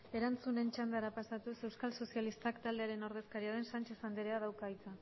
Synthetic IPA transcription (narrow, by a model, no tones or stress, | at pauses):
e̞ɾant͡sune̞nt͡ʃand̪aɾapasat̪use̞wskalso̞sialist̪akt̪ald̪e̞aɾe̞no̞ɾð̞e̞skaɾiaðe̞nsant͡ʃe̞sand̪eɾeaðawkajt͡sa